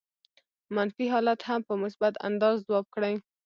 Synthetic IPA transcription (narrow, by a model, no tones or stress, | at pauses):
manfiɦɑlat̪hampəmʊsbat̪a̰nd̪ɑzzawɑb̚kɽaj